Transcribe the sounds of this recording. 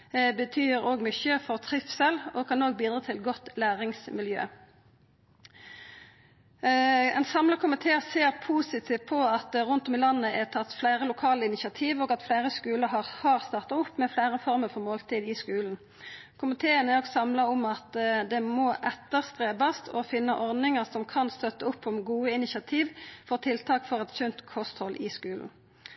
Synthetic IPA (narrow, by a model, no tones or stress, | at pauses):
bət̪ʰyːʁoːɡmʏçəfɔʁt̪ʰʁɪfsɛlokʰɑnːoːɡ̚biːd̪ʁɑːt̪ʰɪlɡɔt̪læːʁɪŋsmɪljø̰ː | ɛ̰ɪnsɑmlɑkʰʊmɪt̪ʰeːseːʁpʰuːsɪt̪ʰiːʋt̪̚pʰɔɑt̪ʁʊnt̪ɔmɪlɑnːəɛt̪ʰɑt̪ːflæɪʁəlʊkʰɑːləɪnɪsɪɑt̪ʰiːʋoːɡɑt̪flæɪʁəskʉːləɑhɑːʁst̪ɑːʁt̪ɑʊpːmɛflæːʁəfɔɾməʁfɔʁmoːlt̪ʰiːd̪ɪskʉːln̩ | kʰʊmɪt̪ʰeːənɛoɡsɑmlɑɔmɑt̪d̪ɛmoːʔɛt̪ːəʁst̪ʁeːbɑst̪ʰɔfɪnːəʔɔʁd̪nɪŋəʁsɔmkʰɑnst̪œt̪ːəʊpːɔmɡuːəɪnɪsɑt̪ʰiːʋfɔʁt̪ʰɪlt̪ʰɑːkfɔʁɛt̪çʏnt̪kʰɔst̪hɔlʔɪskʉːln̩